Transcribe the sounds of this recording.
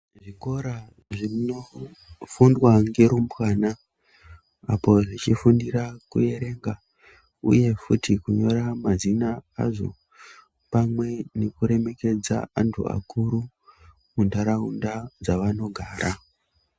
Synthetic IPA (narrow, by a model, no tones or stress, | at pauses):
ʐiko̞ɾa | ʐino | fundwaŋɡe̞ɾumbwana | apo̞ʐit͡ʃifundirakṵje̞ɾe̞ŋɡa | ṵje̞futʰikuɲo̞ɾamazinaa̰ʐo̞̰ | pamwe̞nekuɾe̞me̞ke̞d͡za̰antʰṵa̰kuɾu | mundaɾaundad͡zaʋano̞ɡʱaːɾʔa